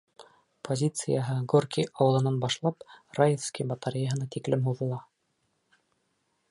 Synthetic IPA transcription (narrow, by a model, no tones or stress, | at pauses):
pʰozʲit̪sɨjəɦɤɡorkʲiɑwɤ̆lˠɤ̆nɑnbɑʃlˠɑprajefskʲijbɑt̪ɑɾʲɪjaɦɤ̆nɑt̪iklɘmɦuðɤ̆lˠɑ